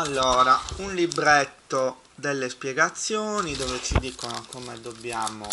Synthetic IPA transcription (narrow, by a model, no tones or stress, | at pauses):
alːoːɾaunlibɾet̪ːo | d̪elːespjɛɡat̪sːjoːnid̪oːvet͡ʃid̪ikonokomed̪obːjaːmo